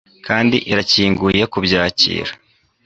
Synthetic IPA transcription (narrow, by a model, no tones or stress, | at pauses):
kʰaːndḭʔiɾaciːŋɡujekubjaːcḭːɾa